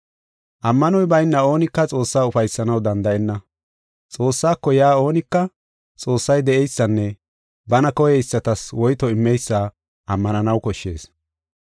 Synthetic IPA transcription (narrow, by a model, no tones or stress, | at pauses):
ʔɐmːɐnɔjbɐjnːɐo̞ːnɪkːɐt͡sʼo̞ːsːaːʊfɐjsːɐnɐwd̪ɐnd̪ɐɛnːɐ | t͡sʼo̞ːsːaːkːɔjaːo̞ːnɪkːɐ | t͡sʼo̞ːsːɐjd̪ɛʔɛjsːɐnːɛ | bɐnɐkɔjɛɪsːɐt̪ɐswɔjt̪ɔɪmːɛjsːaː | ʔɐmːɐnɐnɐwkɔʃːe̞̰ːs